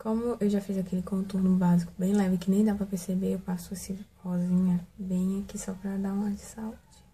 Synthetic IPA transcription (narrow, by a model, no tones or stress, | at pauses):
kõmʊʔewʒafizakelɪkõt̪oɾnʊbazikʊ̥bẽj̃lɛvɪkɪnẽj̃d̪avpɾɐpeɾsebeewpasʊesɪhɔzĩɲɐbẽj̃akisɔpɾɐd̪aũmɐisawud͡ʒɪ̥